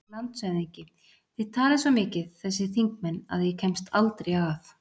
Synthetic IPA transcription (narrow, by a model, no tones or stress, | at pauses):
lant̪sɛniɲcɪ | θɪðt̪ʰaːlɪsvɔmɪːcɪðθɛs̬ːɪθiŋk̚mɛnːa̰ðjɛcʰɛmst̪ʰalt̪ɾejaaθ